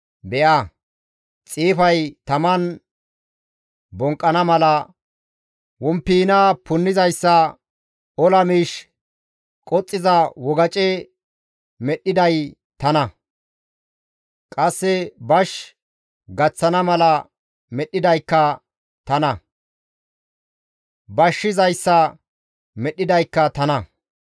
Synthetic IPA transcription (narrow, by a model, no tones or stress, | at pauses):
bɛʔɐ | t͡sʼiːfɐjt̪ɐmɐn | bɔŋkʼːɐnɐmɐlɐ | wɔmpːiːnaːpʊnːɪzɐjsːɐ | ɔlɐmiːʃ | kʼɔt͡sʼːɪzɐwɔɡɐt͡ʃʼɛ | mɛɗɪd̪ɐj | t̪ɐnɐ | kʼɐsːɛbɐʃ | ɡɐt͡sːɐnɐmɐlɐ | mɛɗːɪd̪ɐjkːɐ | t̪ɐnɐ | bɐʃːɪzɐjsːɐ | mɛɗːɪd̪ɐjkːɐt̪ɐnɐ